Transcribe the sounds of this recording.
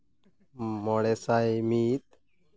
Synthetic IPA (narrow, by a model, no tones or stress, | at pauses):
mɔɽesaimiːt̪̚